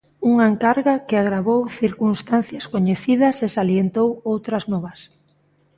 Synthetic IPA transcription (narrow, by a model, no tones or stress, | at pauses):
uŋaeŋkaɾɣakɪaɣɾaβowθiɾkunst̪anθjɐskoɲeθiðɐsesaljent̪owowt̪ɾɐznɔβɐs